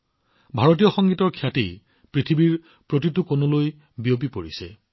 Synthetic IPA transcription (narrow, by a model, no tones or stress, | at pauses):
bʱaɹotijɔxɔŋɡitɔɹkʰjatḛj | pɹitʰibiɹ | pɹot̬itukonoloj | bijop̬ipoɹisɛ̰